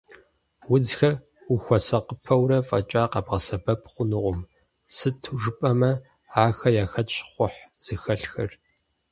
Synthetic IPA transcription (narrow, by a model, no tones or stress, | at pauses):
wʊd͡zxɐr | ʊxʷɔsɐqəpʰɐwrɐfʼɐ̰t͡ʃʼaːqɐbʁɐsɐbɐpʰqʷʊnɨʁʷʊm | sɨtʰuʐɨpʼɐmɐ | aːxɐjaːxɐtɕχʷʊħz̥ɨxɐɬxɐr